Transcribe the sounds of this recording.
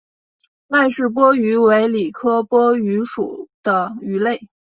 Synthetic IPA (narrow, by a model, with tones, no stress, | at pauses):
ma˥˧ɪʂɻ̩˥˩p̬wɔ˥y˧˥we˧˥ɪli˨˩kʰɤ˥pwɔ˥y˧˥ʂṵ˨˩d̪̥ə˦y˧˥le˥˩ɪ